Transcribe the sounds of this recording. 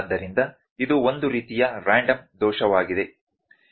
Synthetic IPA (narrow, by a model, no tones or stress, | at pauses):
d̪ːɐɾind̪ɐ | id̪uo̞nd̪uɾiːt̪ijɐɾaːɳɖɐmd̪ɔːʃɐʋaːɡid̪e̞